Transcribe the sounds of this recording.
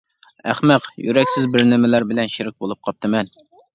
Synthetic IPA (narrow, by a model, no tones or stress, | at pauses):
æχmɛqjy̰ɾɛkʲsɪzbɪɾnɪmɪlæɾbɪlɛnʃiɾɪk̚ʲbolˠɨp̚qʰɑp̚t̪ʰɨmɛn